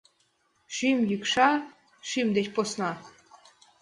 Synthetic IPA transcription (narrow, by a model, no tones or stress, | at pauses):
ʃymjykʃɑ | ʃymd̪etʲposnɑ